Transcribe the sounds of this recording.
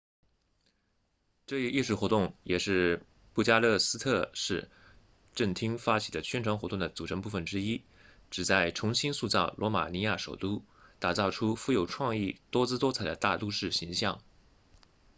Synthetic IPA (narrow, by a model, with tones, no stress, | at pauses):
ʈ͡ʂɤ˥˧i˧˥ʔi˥˧ʂɻu˥˩xwɔ˧˥t̪ʊ˥˩ŋjɛ˨˩ʂɻ̩˥˧ | pu˥˩t͡ɕja˥lɤ˥˩sɹ̩˥t̪ʰɤ˥˧ʂɻ̩˥˧ | ʈ͡ʂə˥˩ŋt̪ʰi˥ŋfa˥t͡ɕʰi˨˩d̪ə˦t͡ɕʰɥɛ˥nʈ͡ʂʰwɑ˧˥ŋxwt̪ʊ˥˩ŋd̪ə˩t͡su˨˩ɤ˧˥ŋpu˥˩ə˨˩nʈ͡ʂɻ̩˥i˥ | ʈ͡ʂɻ̩˨˩t͡sa˥˩ɪʈ͡ʂʰʊ˧˥ŋɕi˥nsu˥˧t͡sɑ˥˩ʊlʔwɔ˧˥ma̰˨˩ni˧˥ja˥˩ʂo˨˩ʊt̪u˥ | t̪a˨˩t͡sɑ˥˩ʊʈ͡ʂʰu˥fu˧˥jo˨˩ʊʈ͡ʂʰwɑ˥˧ŋi˥˩t̪wɔ˥t͡sɹ̩˥t̪wɔ˥t͡sʰa˨˩ɪd̪ə˦t̪a˥˧lu˥˧ʂɻ̩˥˩ɕi˧˥ŋɕjɑ˥˩ŋ